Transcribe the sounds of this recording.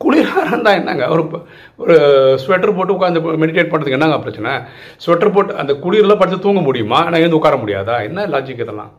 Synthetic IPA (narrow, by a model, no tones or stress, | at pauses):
kʊɻɪɾaːɾɐnd̪ãːɛnːa̰ːŋɡɐɔɾɯ | ɔɾɯsʊʋɛʈːɐɾp̬oːʈːɯʊkːaːnd̪ɐmɛɽɪʈeːʈ̚pɐɳɾɐðɯkɡɛnːaːŋɡɐpːɾɐt͡ʃːɐnːa | sʊʋɛʈːɐɾp̬oːʈːɐ̰nd̪ɐkʊɻiɾɪlɐpɐɽɪt̪ːɐt̪uːŋɡɐmʊɽɪjɯmaːeːnaːɪʋɐnd̪ɯʊkːaːɾɐmʊɽɪja̰ːðaːɛnːɐlaːd͡ʒɪkːɯðɐlã̰ː